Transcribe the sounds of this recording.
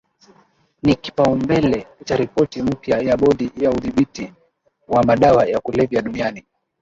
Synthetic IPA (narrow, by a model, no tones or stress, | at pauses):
niki̥paumbɛlɛutaɾipɔtim̩pjajaɓɔɗijauðiɓiti | wamaɗawajakulɛvjaɗuniani